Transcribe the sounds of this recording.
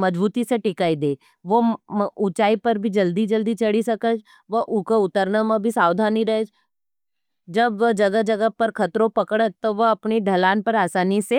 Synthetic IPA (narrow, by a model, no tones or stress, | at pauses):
mɐd͡ʒbuːt̪iseʈɪkaːid̪eː | ʋoʊt͡ʃaːipɐɾbʱid͡ʒɐld̪id͡ʒɐld̪it͡ʃɐɽisɐkət͡ʃ | ʋɐʔʊkoʊt̪əɾnamabʱisaːʋwd̪ʱaːniɾɐɦed͡ʒ | d͡ʒɐbɐd͡ʒɐɡəɦd͡ʒɐɡəɦpɐɾkʰɐt̪ɾõpɐkɽət̪oʋɐɐpneɖʱɐlaːnpɐɾaːsaːnise